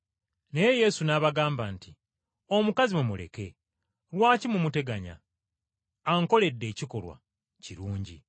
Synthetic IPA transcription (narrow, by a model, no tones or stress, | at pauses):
neje̞je̞sunaβaɡaːmbaːnti | o̞mukazimumule̞̰ke̞ | ɾwaːcimumute̞ɡaɲa̰ | ŋko̞le̞dːe̞ːciko̞lwa̰ | ciɾuːɲɟḭ